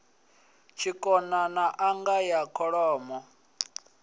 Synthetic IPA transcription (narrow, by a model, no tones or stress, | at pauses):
t͡ʃʰikʼɔnanaʔaŋɡajakʰɔɺɔːmɔ